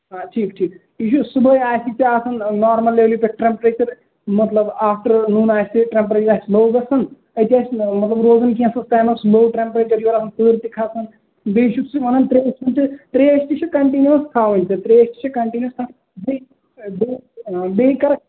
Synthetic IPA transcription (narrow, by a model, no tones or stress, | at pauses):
ɦaːʈʰiːkʈʰiːk | iʃusubɐjaːjsit͡ʃiaːsɐnnaːɾmɐlːeːʋlipek̚ʈɾempɾeːt͡ʃɐɾ | mɐt̪lɐbaːfʈɐɾnuːnaːjsiʈɾempɾeːt͡ʃɾaːsbɐwɡɐsɐn | ɐt̪iaːsʲmɐt̪lɐbɾoːzɐnkiɐ̃nsɐnst̪aːnɐpsbowʈɾempɾeːt͡ʃɐɾjoɾaːsɐnpəːɾt̪ikʰaːsɐn | beːʃusiʋɐnɐnt̪ɾeːsɐnʲt̪ɨt̪ɾeːəsʲt̪it͡ʃʰɐkɐɳʈiːnjuɐnsk̪ʰaːʋɐnʲt̪ɨt̪ɾeːəʃʲt̪i̥t͡ʃʰɐkɐɳʈiːniɐst̪ʰaː | be | bobeikɐɾɐk̚